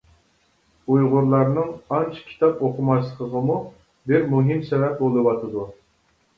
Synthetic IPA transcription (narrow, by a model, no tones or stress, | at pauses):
ujʁʊɾlˠɑɾnɨŋɑnt͡ʃʰkʲʰi̥t̪ʰɑpoqʰʊmɑʃlˠəqəʁəmu | bɪɾmuɦimsɛvɛp̚bolˠɨwɑt̪ʰɨd̪u